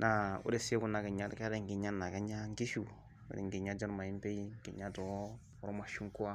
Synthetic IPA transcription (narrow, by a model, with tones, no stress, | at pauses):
nʔa˨ṵ˦ɾe˦˨se˦ku˦na˨ke˨ɲa˦ɾka˦ɾɛ˦˨ŋ˨ɡi˨ɲa˦nːa˨ka˦ɲa˦ŋ˦ki˦ʃṵ˨ | ɾḭ˨ŋ˨ɡi˨ɲa˦d͡ʒɾma˨i˦m˦pe˦ji˦ŋ˨ki˨ɲa˦dɔ˨˦ | ɔ˦ɾma˨ʃu˦ŋ˦ku˦a˦